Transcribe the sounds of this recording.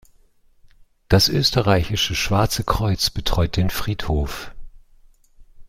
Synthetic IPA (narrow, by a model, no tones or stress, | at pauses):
d̥asʔøːstəʁaɪçɪʃəʃv̥aɐt͡səkʁ̥ɔʏt͡sb̥ətʁ̥ɔʏt̚d̥eːnfʁ̥iːthoːf